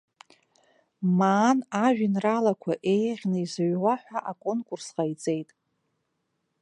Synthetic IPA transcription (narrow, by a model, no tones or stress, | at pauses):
maːnaʒᶣɪnralakʷʰaʔe̞jʁʲnɨizaɥʁʷaħʷaʔakʼo̞nkʼursqajt͡sʼe̞jtʼ